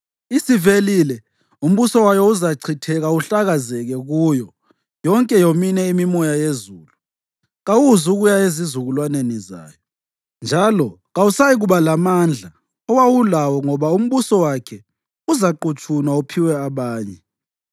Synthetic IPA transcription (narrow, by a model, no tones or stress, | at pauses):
isivelilɛ | um̩βusɔwajɔuzaǀʰitʰɛɣauɬaɣazɛɣɛɣujɔ | jɔŋkʼɛjominɛimimɔjajezuːlu | ɣawuzuɣujaezizuɣulwaneniza̰ːjɔ | nd͡ʒʱalɔ | ɣausajiɣuβalamand͡ɮʱa | ɔwawulawɔŋɔβaum̩βusɔwakʰɛ | uzaǃut͡ʃʼʰunwaupʰiwɛaβaːɲɛ